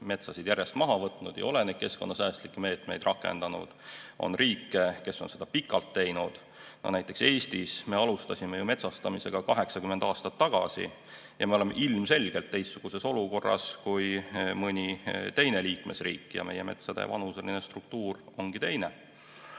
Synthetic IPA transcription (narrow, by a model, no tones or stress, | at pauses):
me̞t̪sɑsid̪jæɾje̞st̪mɑɦɑvɤt̪ˑnud̪jɑ̰o̞leneːd̪̚ke̞sko̞nːɑsæːst̪likːeme̞ːt̪me̞jd̪̥rʔɑkːˑe̞̰nd̪̥ɑnṵd̪̥o̞̰nriːkːˑe̞ke̞sːo̞nse̞d̪̥ɑpikːˑɑlt̪ːe̞jnud̪̥ | no̰næjt̪ːˑe̞kse̞ːsʲt̪isme̞ɑlust̪ɑsʲimejume̞t̪sɑst̪ɑmise̞ɡ̥ɑkɑɦe̞ksɑkymːend̪̥ɑːst̪ɑt̪ːɑɡ̥ɑ̰sḭ | jʔɑme̞o̞le̞mːḛʔilmse̞lʲɡ̥elt̪ːe̞jst̪ːuɡ̥use̞so̞luko̞rːɑ̰skujmɤnʲit̪e̞jne̞liːkme̞sriːkːˑjɑ̰me̞jeme̞̰t̪sɑd̪ḛvɑnuse̞linest̪ruk̚t̪uːro̞ŋɡ̥it̪e̞jne